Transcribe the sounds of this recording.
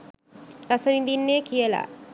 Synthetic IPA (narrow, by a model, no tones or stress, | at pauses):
ɾasəʋid̪inːeːkʰijəla̰ː